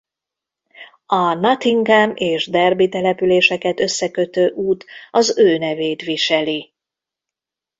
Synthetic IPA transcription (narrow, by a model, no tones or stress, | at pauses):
ɒnɒt̪iŋɡɛmeːʒd̪ɛrbit̪ɛlɛpyleːʃɛkɛt̪ø̞sːɛkø̞t̪øːʔuːt̪ɒzøːnɛveːt̪ʋiʃɛli